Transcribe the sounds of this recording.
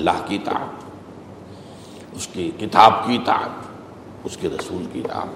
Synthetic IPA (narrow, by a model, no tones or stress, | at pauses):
lːa̰ːɦkit̪a̰ːm | ʊskekɪt̪aːbkit̪a̰ːt | ʊskeɾɐsuːlkit̪a̰ːb